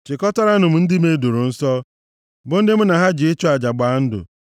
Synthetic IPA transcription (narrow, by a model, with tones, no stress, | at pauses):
t͡ʃɪ˨kɔ˦tɔ˦ɾa˦nʊ˨m̩˨n̩˦dɪ˦me˦du˨ɾʊ˨n̩˦sɔ˦ | bʊ˨n̩˦dɪ˦m̩˦na˨ɦa˦d͡ʒɪ˨ɪ˦t͡ʃɔ˦a˨d͡ʒa˨ɡ͡ba˨˦n̩˦dʊ̰˨